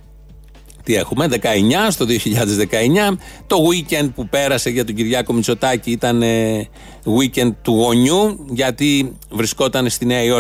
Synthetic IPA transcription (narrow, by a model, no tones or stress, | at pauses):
t̪ie̞xume̞ðe̞kɐe̞ɲɐst̪o̞ðio̞çiʎɐðe̞zðe̞kɐe̞ɲɐt̪o̞ɣuice̞nd̪̚pupe̞ɾɐse̞ʝɐt̪oɟiɾʝɐko̞mit͡so̞t̪ɐciit̪ɐne | ɣwice̞nd̪̚t̪uɣo̞ɲuʝɐt̪ivɾisko̞t̪ɐne̞st̪ine̞ɐio̞